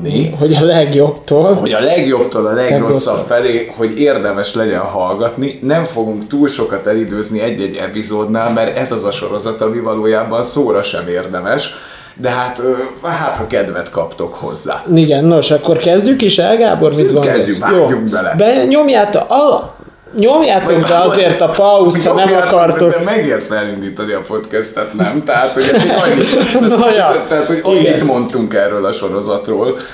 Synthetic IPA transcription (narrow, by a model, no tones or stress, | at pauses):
niɦo̞ɟɒlɛɡjo̞bt̪oːlhoɟɒlɛɡjo̞bt̪oːlɒlɛɡrossːɒpfɛleːho̞ɟeːrd̪ɛmɛʃlɛɟɛnɦɒlɡɒt̪ninɛɱfo̞ɡuŋkt̪uːlʃo̞kɒt̪ɛlid̪øːzniɛɟːɛɟɛ̰pizoːd̪naːlmɛɾɛzɒzɒʃo̞ɾo̞zɒt̪ɒmivɒloːjaːbɒnsoːɾɒʃɛ̰meːrd̪ɛmɛʃ | d̪ɛɦaːt̪øɦaːt̪hɒkɛd̪vɛt̪kɒpt̪o̞kho̞̰zːa̰ːiɡɛnːo̞ʃɒkːo̞rkɛzɟykiʃɛ̰lɡa̰ːbo̞rmid̪ɡoɛzyajoːɲːuŋkbɛlɛ̰bɛɲo̞mjaːt̪ʔɒ | ɲomjaːtokd̪ɛɒzeːrt̪ɒpɒushɒnɛmɒkɒrt̪okɛmɛɡeːrt̪ɛɛlind̪iːt̪ɒniɒpo̞t̪kɛst̪ɛt̪nɛmt̪ɛɦaːt̪hoɲːinojt̪ɛɦat̪hoɟiɡmɛit̪mo̞nt̪uŋkɛrːøːlɒʃo̞ɾo̞zɒt̪roːl